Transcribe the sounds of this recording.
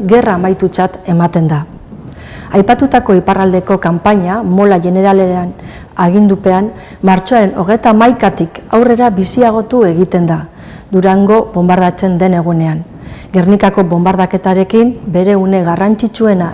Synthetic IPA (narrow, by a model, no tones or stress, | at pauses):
ɡe̞raːmajt̪ut͡sat̪e̞mat̪e̞nd̪a | ajpat̪ut̪ako̞iparald̪e̞ko̞kampaɲamo̞laʝe̞ne̞ɾalean | aɣ̞ind̪upe̞an | maɾt͡ʃoaɾe̞no̞ɣ̞e̞t̪aːmajkat̪ikawre̞ɾabisiaɣ̞o̞t̪ue̞ɣ̞it̪e̞nd̪a | d̪uɾaŋɡo̞βo̞mbaɾðat͡se̞nd̪e̞ne̞ɣ̞une̞aŋ | ɡe̞rnikako̞bo̞mbaɾðake̞t̪aɾe̞kimbe̞ɾe̞une̞ɣarant͡sit͡sue̞na